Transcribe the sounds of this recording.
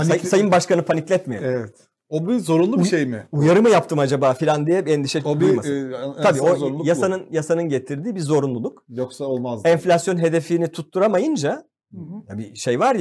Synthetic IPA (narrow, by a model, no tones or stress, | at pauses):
asajɯmbaʃkanɯpʰaniclʲɛt̪mej̰evɛt̪ | obizo̞ɾunlˠuʃejmɪujaɾɯmɯjapt̪ʰɯmad͡ʒabaːfilʲand̪ijɛɛnd̪iʃɛobimaabiːoonjasanɯnjasanɯnɟe̞t̪ʰiɾd̪iːbizo̞ɾunlˠulˠukjoksaolˠmazɛɱflʲasjo̞nɦe̞d̪e̞finit̪ʰut̪ːuɾamajɯnd͡ʒa | j̪abiʃejvaɾj